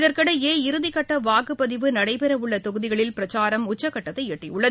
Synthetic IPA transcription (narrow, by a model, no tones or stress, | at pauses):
ɪðɐɾkɐɽɐeːɪɾɯðɪkːɐʈːɐʋaːkɯpːɐðɪʋɯnɐɽɐɪpɛɾɐʋɯɭːɐt̪ɔɣɯðɪɣɐɭɪlpɪɾɐt͡ʃaːɾɐmʊt͡ʃːɐkːɐʈːɐt̪ːɐɪɛʈːɪjʊɭːɐð